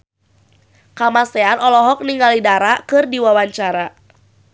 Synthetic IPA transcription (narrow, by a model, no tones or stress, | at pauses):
kamasɛanɔlɔɦɔk̚niŋalidaɾakɨrdiwawaɲt͡ʃaɾa